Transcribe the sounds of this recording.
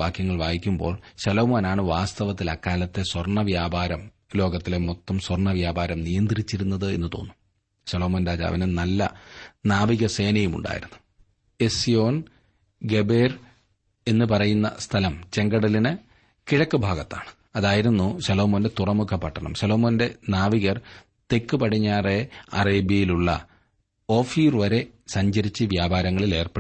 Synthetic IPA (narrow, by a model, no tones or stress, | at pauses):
aːkjɐŋːɐɭʋaːjikʲːumbo̞̰ːɭɕɐloːmoːnaːɳɨʋaːst̪ɐʋɐt̪ːilɐkːaːlɐt̪ːe̞swɐrɳɐʋjaːbʱaːɾɐm | lo̞ːɡɐt̪ːilemot̪ːɐmswɐrɳɐʋjaːbʱaːɾɐmnijɐnd̪rit͡ɕːiɾunːɐðɨe̞nːɨt̪o̞̰ːnːum | ɕɐloːmoːnɾaːd͡ʑa̰ɐ̰ʋɐnɨnɐlːɐnaːʋiɣɐse̞ːnɐjumṵɳɖa̰ːjḭɾunːu | e̞sijo̞ːn | ɡe̞beːr | e̞nːɨpɐrɐjunːɐ̰st̪ʰɐlɐmt͡ɕe̞ŋɡɐɽɐlinɨ | kiɻɐkːɨbʱaːɡɐt̪ːa̰ːɳɨ̥ | ɐðaːjiɾunːuɕɐlo̞ːmoːnde̞t̪urɐmukʰɐpɐʈʰːɐɳɐ̰mɕɐlo̞ːmo̞ːnde̞naːʋiɣɐr | t̪e̞kːɨpɐʈʰiɲːaːre̞ɐ̰reːbjɐjiluɭːɐ̰ | o̞ːfiːrʋɐɾe̞sɐɲd͡ʑɐɾit͡ɕːɨʋjaːbʱaːɾɐŋːɐɭile̞ːrpeɽ